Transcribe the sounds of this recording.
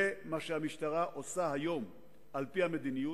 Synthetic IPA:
emaʃehamiʃtaʁaʔo̞saɦajo̞m | ʔalpihame̞d̪iniju

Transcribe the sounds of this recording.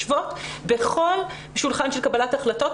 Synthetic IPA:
vo̞tbeχo̞l | ʃulχanʃelkabalataχlato̞t

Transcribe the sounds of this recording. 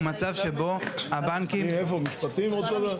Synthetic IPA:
mat͡savʃebo̞abaŋkimefomiʃpat̪imot͡sad̪

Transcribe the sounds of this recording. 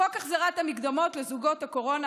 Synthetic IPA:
okaχzaʁatamiɡd̪amo̞tlezuɡo̞thako̞ʁo̞na

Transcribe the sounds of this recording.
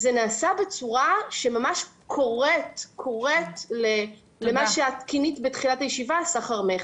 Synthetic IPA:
zenaːsabet͡suʁaʃemamaʃ | kʰo̞ʁetkʰo̞ʁetle | lemaʃeaːtkinitbetχilatajeʃivasaχaʁmeχ

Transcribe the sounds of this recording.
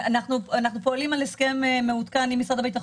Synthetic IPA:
anaχnuanaχnupo̞alimaleskememːeut̪kanimisʁad̪abet̪̬aχ

